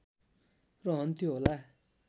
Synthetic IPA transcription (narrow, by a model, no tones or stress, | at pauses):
rɔnt̪iola